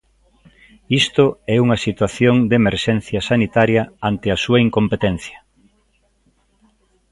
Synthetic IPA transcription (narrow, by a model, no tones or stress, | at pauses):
ist̪ʊɛuŋɐsit̪waθjoŋd̪emeɾʃɛn̟θjɐsanit̪aɾjɐant̪ɪasuɐiŋkompet̪ɛnθjɐ